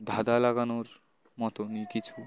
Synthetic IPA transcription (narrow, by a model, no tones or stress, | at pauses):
d̪ʱad̪alaɡanoɾ | mɔt̪onikit͡ɕʰu